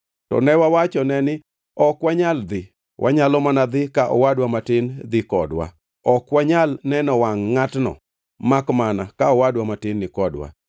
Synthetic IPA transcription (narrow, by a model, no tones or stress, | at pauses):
tɔ̰nɛwawat͡ʃɔnɛnɪ | ɔkwaɲald̪ɪ | wʔa̰ɲalɔmanad̪ɪkaʔɔ̰wadwamatɪnd̪ɪkɔdwa̰ | ɔkwaɲalnɛnɔwaŋːatnɔ̰ | makmanakaɔwadwamatɪnːɪkɔdwa̰